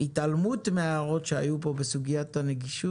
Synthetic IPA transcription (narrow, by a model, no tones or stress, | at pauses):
it̪ʔalmutmeaːʁo̞tʃeajupo̞besuɡijataneɡiʃu